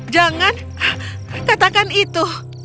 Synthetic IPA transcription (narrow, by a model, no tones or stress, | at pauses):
d͡ʒaŋan | kat̪akanit̪u